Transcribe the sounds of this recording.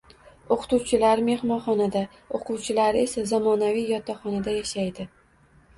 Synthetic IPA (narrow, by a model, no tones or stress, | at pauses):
oqʰʊ̥t̪uwt͡ʃʰɪlaɾme̞hmɒnχɒnad̪a | oqʰʊwt͡ʃʰɪlaɾe̞sazamɒnavijjɒt̪ʰːaχɒnad̪ajaʃajd̪ɪ